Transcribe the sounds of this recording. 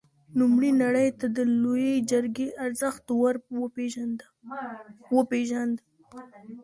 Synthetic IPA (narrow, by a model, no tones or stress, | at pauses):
numɽinaɽəjt̪ad̪əlojed͡ʒəɾɡeʔaɾzəxt̪waɾpeʒand̪ | wəpeʒand̪ə